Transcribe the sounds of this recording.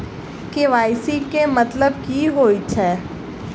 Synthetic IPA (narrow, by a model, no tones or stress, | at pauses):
keʋaːɪsikemɐt̪ləbkiɦoːit͡ʃʰɛː